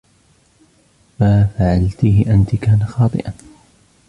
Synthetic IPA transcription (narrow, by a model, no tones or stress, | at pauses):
maːfaʕalt̪iːhʔant̪ɪkaːnaxɑːt̪ˤɨ̰ʔan